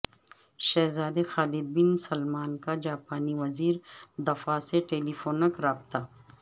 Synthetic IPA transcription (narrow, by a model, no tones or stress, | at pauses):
ʃɛːzaːd̪exaːlɪd̪̚bɪnsɐlmaːnkad͡ʒaːpaːniʋɐziːɾd̪ɐfaseʈeːlifoːnɐkɾaːb̚t̪aː